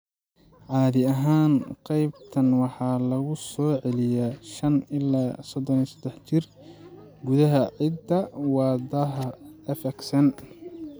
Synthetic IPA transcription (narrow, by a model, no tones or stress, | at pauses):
ʕɑːðɪɐɦaːnqɑjbt̪ʰɐnwɑħɑːlɐɣʊsɔːʕɛlɪjaʃɐnɪlaːsɔd̪ɔnisɐd̪ɛħt͡ʃɪr | ɡʊðɐɦɐʕɪd̪ɐwɑːd̪ɐɦɐɛfɛksɐn